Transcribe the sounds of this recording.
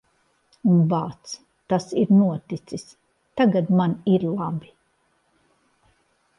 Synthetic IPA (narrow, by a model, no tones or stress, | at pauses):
unbaːt̪s | t̪asiɾnuɔt̪it̪sis | t̪aɡad̪maniɾlˠabi